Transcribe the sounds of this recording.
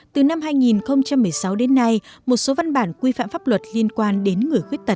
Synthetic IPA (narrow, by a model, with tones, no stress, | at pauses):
t̪ɨ˨˩na˧mɦaː˧jŋi˨˩nxə˧wŋ͡mt͡ɕa˧mːɨ˨˩əjsa˨˦wɗe˨˦nːa˧jmo˨˩t̚so˨˦va˧nɓaː˧˩nkwi˧fa̰ː˧˨mfaː˦˥p̚lwə˨˩t̚li˧ənkwaː˧nɗe˨˦nŋɨ˨˩əjxwi˦˥ət̚t̪ə˨˩t̚